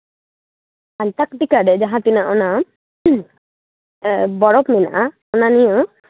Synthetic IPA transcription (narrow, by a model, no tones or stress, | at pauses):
anʈakʈikaɖed͡ʒaɦãt̪inaʔɔna | bɔɾɔpmina̰ʔa | ɔnanijo